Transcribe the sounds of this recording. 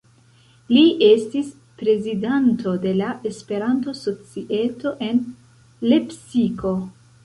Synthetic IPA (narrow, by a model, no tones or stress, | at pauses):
liʔe̞stis | pɾe̞zidanto̞de̞laʔe̞spe̞ɾanto̞so̞t͡siʔe̞to̞ʔe̞n | le̞psiko̞